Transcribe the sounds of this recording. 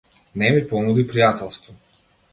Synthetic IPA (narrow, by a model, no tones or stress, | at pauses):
nɛmipɔnud̪ipɾijat̪ɛlˠst̪vɔ